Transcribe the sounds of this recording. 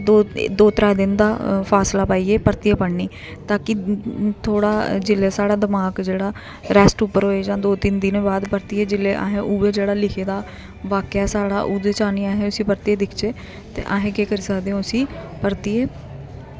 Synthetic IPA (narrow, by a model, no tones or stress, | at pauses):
d̪oːd̪oːt̪ɾaːjd̪ɪnd̪aːpʰaːslaːpaːiːeːpəɾt̪ijaːpəɳniː | t̪aːkɪt̪ʰoːɽaːd͡ʒɪleːsaːɽaːd̪əmaːkd͡ʒeːɽaː | ɾɛːsʈʊpːəɾɦoːeːd͡ʒãːd̪oːt̪ind̪ɪnẽːbaːd̪pəɾt̪ijeːd͡ʒɪleːʔa̰ːɦẽːʔuːʋeːd͡ʒeːɽaːlɪkʰeːd̪aː | ʋaːkaːsaːɽa̰ːʔuːd̪eːt͡ʃaːniːaːɦẽːʊsĩːpəɾt̪ieːd̪ɪkʰt͡ʃeː | t̪ḛːʔaːɦẽːkeːkəɾiːsəkd̪ẽːʊsĩː | pəɾt̪ieː